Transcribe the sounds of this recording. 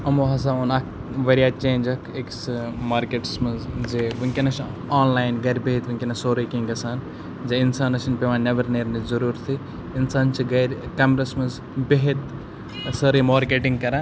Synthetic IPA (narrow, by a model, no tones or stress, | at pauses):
ɐmoːɦɐs̬aːunɐk̚ | ʋɐɾijaːt͡ʃẽːnd͡ʒɐkʰeksmaːɾkeːʈsmɐzd͡ʒeʋɨŋkʲinɐt͡ʃaːnlaːjnɡɐɾʲbeɦit̪ʋɨŋʲkʲinɐsoːɾɐkĩŋɡɐsaːn | d͡ʒeinsaːnɐʃinpʲeʋãːnʲɐʋɐɾneːɾnizɐɾuːɾt̪ʰi | insaːnt͡ʃʰiɡɐɾʲkɐmɾɐsmɐz | beɦit̪ | sɐɾimaːɾkeːʈiŋɡkɐɾã